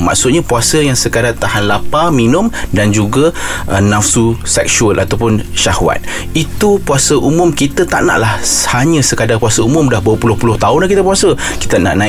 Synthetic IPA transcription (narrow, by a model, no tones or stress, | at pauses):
ma̰ʔsʊt̪̚ɲãpuasəjaŋsəkadat̪ahanlapaminʊ̃mdand͡ʒuɡaʔnafsusɛk̚ʃuəlʔat̪awpʊnʃahwa̰t̪̚ | it̪upuasəʔumʊ̃mkit̪ət̪a̰ʔna̰ʔlahhaɲə̃səkadapuasəumʊ̃mdahbuəpulʊhpulʊht̪aʊnlakit̪əpuasə | ki̥t̪əna̰ʔnã